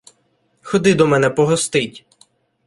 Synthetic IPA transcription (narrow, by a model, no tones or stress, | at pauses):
xɔd̪ɪd̪ɔmɛnɛpɔɦɔst̪ɪtʲ